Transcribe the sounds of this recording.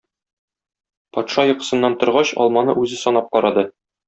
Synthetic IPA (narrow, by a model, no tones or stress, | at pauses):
pɒt̪ʃɑjŏqɤ̥̆sɤ̆nːɑnt̪ŏɾʁɑɕɒ̰lˠmɑnɤʔʉzɘsɒnɑp̚qɒɾɑd̪ɤ